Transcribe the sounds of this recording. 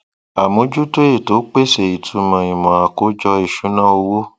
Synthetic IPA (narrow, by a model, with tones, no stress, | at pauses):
a˨mõ˨˦d͡ʒu˦to˦e˦˨to˨˦k͡pe˦˨se˨i˨tʰu˧mã˧i˨mɔ̃˨a˨ko˦d͡ʒɔ˧i˦˨ʃu˨˦nã˦o˧wo˦